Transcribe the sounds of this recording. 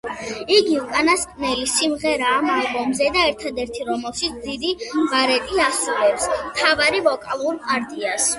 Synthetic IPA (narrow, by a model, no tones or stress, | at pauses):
iɡiukʼanaskʼnɛlisimʁɛɾaːmɛbɔmzɛd̪aɛɾt̪ʰad̪ɛɾt̪ʰiɾɔmɛlˠʃit̪sʰd̪id̪ivaɾɛt̪ʼiasuvɛpsmt̪ʰavaɾivɔkʼalˠuɾpʼaɾd̪ʼias